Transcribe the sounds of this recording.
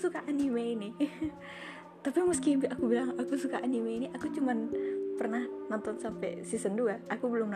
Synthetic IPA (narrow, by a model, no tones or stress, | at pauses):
sukaʔanimeini | t̪apiməskibakubilaŋakusukaʔanimeiniʔakut͡ʃumanpərnahnɔnt̪ɔnsampɛ̰sisənduaʔakubəlʊmn